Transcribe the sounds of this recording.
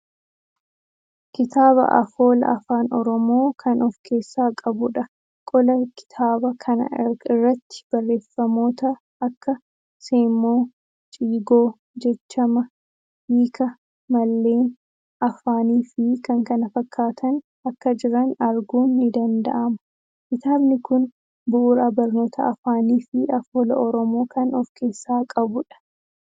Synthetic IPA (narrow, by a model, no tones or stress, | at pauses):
kɪt̪aːβɐ̰ʔɐ̰fo̞ːlɐ̰ʔɐ̰faːnɔɾɔmo̞ːkʰɐnɔfkʰe̞ːsːaːkʼɐbʊᶑɐ | kʼɔlɐkɪ̥t̪ʰaːbɐkʰɐnɐ̰ɪrːɐt̪ːɪ̥b̥ɐrːe̞ːfːɐmo̞ːt̪ɐː | kːɐ | se̞ːmːo̞ː | t͡ʃʼiːɡo̞ː | d͡ʒɛt͡ʃːɐmɐ | iːkʰɐ | mɐlːe̞ːn | ɐfaːniːfɪkɐŋkɐnɐfɐkʰːaːt̪ʰɐn | ɐkːɐd͡ʒɪɾɐnɐɾɡuːnːɪd̪ɐnd̪ɐ̰ʔɐmɐ̥ | ʔɪt̪aːbnɪkʊn | bʊʔːɾaːbɐɾno̞ːt̪ʰɐɐfaːniːfɪɐfoːlɐʔɔɾɔmo̞ːkɐnɔfke̞ːsːaːkʼɐbʊᶑɐ̥